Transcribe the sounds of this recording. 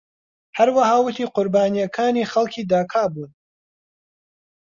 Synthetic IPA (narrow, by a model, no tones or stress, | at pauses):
hɐɾwahaːwʊt̪ʰiːqʊɾbaːnijɐkʰaːniːxɐlˠkʰiːd̪aːkʰaːbuːn